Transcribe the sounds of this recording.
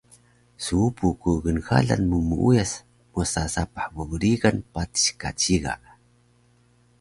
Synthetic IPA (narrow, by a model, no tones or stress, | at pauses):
suupukuɣənxa̰ɮa̰nmumuʔujas | musasapḁħməɣuɾiɣanpati̥ɕkat͡ɕiɣa̰ʔ